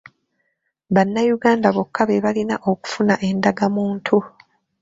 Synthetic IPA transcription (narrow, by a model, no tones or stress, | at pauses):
βanːajuɡaːndaβokʰːaβeβalinaʔoku̥funaʔe̞ndaɡamuːntʰu